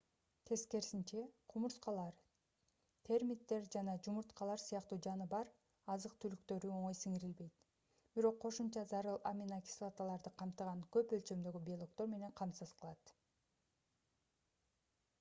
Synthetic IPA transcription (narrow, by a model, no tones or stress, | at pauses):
t̪ʰe̞ske̞ɾsint͡ʃe̞qʰumuɾsqɑlˠɑɾ | t̪ʰe̞ɾmʲit̪ːe̞ɾd͡ʒɑnɑd͡ʒumuɾt̪qɑlˠɑɾsɯjɑqt̪uːd͡ʒɑnɯbɑɾ | ɑzɯqt̪ʰylykt̪ø̞ɾyo̞ɴo̞jsiŋiɾilbe̞jt̪ | b̥iɾo̞qʰːo̞ʃumt͡ʃɑzɑɾɯlˠa̰mʲinakʲi̥slˠot̪alˠɑɾd̪ɯqʰɑmt̪ɯʁɑnkø̞pø̞lt͡ʃø̞md̪ø̞ɡybʲiolˠo̞k̚t̪o̞ɾme̞ne̞ŋqʰɑmsɯz̥qʰəlˠɑt̪